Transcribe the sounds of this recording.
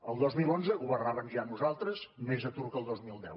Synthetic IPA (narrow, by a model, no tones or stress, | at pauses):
əlˠd̪ozmilˠonzəuβəraβənʒaəmnuzalˠt̪ɾəzmezət̪uɾkəlˠd̪ozmilˠd̪ɛ̰w